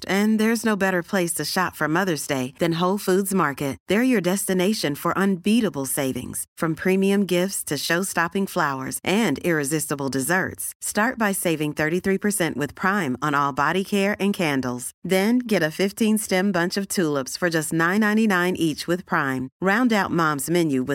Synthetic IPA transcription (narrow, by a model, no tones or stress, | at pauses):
ɨ̃nðə˞ɨznoʊbɛɾə˞pʰl̥eɪstʰɨʃɑtfʌ˞mʌðə˞zdeɪðɨ̃nɦoʊlˠfudzmɑɹkɨt̚ðə˞jə˞dɛstɨneɪʃɨ̃nfə˞ʔə̃nbiɾəbl̩ˠseɪvɪ̰̃ŋz̥fɹʌ̃mpʰɹ̥ĩmiɨ̃mɡɪftstʰɨʃoʊstɑpɪ̃ŋflaʊə̰˞z̥ʔɨ̃nɪɹɨzɪstəbl̩ˠdɨzɜ̰˞tstɑɹt̚b̥aɪseɪvɪ̃ŋθɜ˞ɾiθɹipʰə˞sɛ̃nʔwɨð̥pʰɹ̥ãɪ̃mə̃nɔlˠbɑɾikʰɛɹʔɨ̃nkʰæ̃ndˡl̩ˠz̥ðɨ̃nɡɛɾɨfɪftʰĩnstɛ̃mbʌ̃nt͡ʃʌv̥tʰulˠəpsfə˞d͡ʒʌstnãɪ̃nːãɪ̃ninãɪ̃nʔit͡ʃwɨð̥pʰɹ̥ãɪ̃mɹãʊ̃ndaʊt̚mɑ̃mzmɛ̃njʉwɨ